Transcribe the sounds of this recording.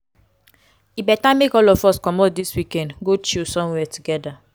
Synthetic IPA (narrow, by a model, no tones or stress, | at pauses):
ibɛtamekɔlɔfɔskɔmɔt̚diswikɛ̃ndɡot͡ʃilsɔ̃mwɛtuɡɛda